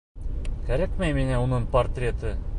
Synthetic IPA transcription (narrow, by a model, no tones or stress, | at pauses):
kæɾækmæjminæunɤɴport̪rʲet̪ɘ